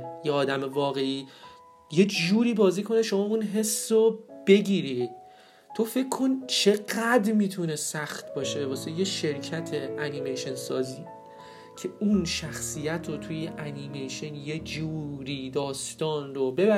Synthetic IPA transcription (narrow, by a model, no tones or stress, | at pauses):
jeɒːd̪æmevɒːɣe̞iː | je̞d͡ʒuːɾiːbɒːziːkʰo̞ne̞ʃo̞mɒːunɦe̞sːob̥e̞ɟiːɾi | t̪ʰo̞fe̞kʰːo̞nt͡ʃʰe̞ɢæd̪ɾmiːt̪ʰune̞sæxt̪ʰbɒːʃe̞vɒːsejeʃe̞ɾcʰæt̪ʰe̞ænimejʃensɒːziː | cʰe̞unʃæxsiːjæt̪ʰɾot̪ʰujeʔænimejʃenje̞d͡ʒuːɾiːd̪ɒːst̪ɒːnrobe̞bæ